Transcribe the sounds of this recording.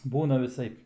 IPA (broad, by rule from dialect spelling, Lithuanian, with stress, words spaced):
ˈbuːnɐ ʋʲɪˈsɐɪp